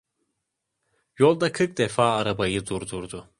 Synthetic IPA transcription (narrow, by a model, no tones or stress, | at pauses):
jo̞lˠd̪akʰɯk̚d̪efaːaɾabajɯd̪uɾd̪uɾd̪ʊ